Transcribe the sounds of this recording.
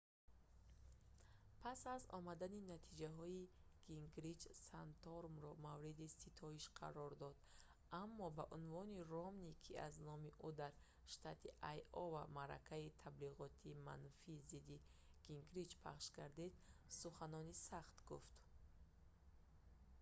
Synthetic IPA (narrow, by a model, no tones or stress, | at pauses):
pʰasazɔ̰mad̪aninat̪ʰid͡ʒaɦɔiɡ̥iŋɡɾid͡ʒsant̪ʰɔɾmɾɔmavɾid̪isit̪ʰɔiʃqʰa̰ɾɔɾd̪ɔd̪̥ | amːɔbaʔunvɔnirɔmnikʰia̰znɔmiʔud̪aɾ | ʃt̪at̪ʰiʔajɔvamaɾa̰kʰait̪ʰabliʁɔt̪ʰiːma̰nfiːzid̪i | ɡ̥iŋɡɾid͡ʒpʰa̰χʃkaɾd̪id̪suχanɔnisaχt̪ɡuft̪